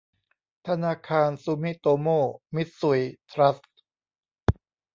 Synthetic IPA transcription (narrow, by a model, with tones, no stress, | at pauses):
t̪ʰa˧naː˧kʰaː˧nsu˧mi˦˥t̪oː˧moː˥˩mi˦˥t̪̚su˧˩jt̪ʰɾa˦˥s